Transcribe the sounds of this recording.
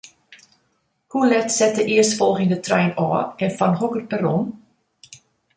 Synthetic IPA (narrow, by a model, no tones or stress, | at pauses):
hulɛtsɛt̚dəʔɪərsfɔlˠχɪŋdətrɛjnɑ̰ːɛnfɑnɦɔkərpəɾɔn